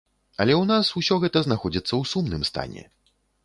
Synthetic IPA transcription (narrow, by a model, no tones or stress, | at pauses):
ɐlʲɛwnasusʲɔɣɛt̪ɐznaxɔd͡zʲit̪sːɐwsumnɨmst̪a̰nʲɛ̰